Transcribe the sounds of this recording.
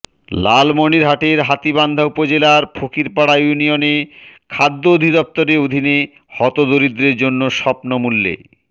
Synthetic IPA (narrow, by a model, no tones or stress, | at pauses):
lalmoniɾɦaʈeɾɦat̪iband̪ʱaupod͡ʑelaɾpʰokiɾpaɽajunijonekʰad̪ːood̪ʱid̪ɔp̚t̪oɾeod̪ʱine | hɔt̪od̪oɾid̪ɾeɾd͡ʑonːoʃɔpnomulːḛ